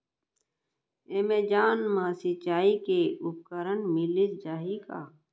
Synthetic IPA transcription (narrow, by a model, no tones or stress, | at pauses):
eːmeːd͡ʒaːnmãːsɪt͡ʃaːikeʊp̚kəɾəɳmɪlit̪d͡ʒaːɦika̰ː